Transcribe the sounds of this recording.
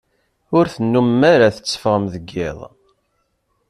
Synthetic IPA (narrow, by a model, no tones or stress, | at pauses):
ʊɾθənːumːaɾaθə̥t͡sːə̥fʁəmðəɡːɪ̰ðˤ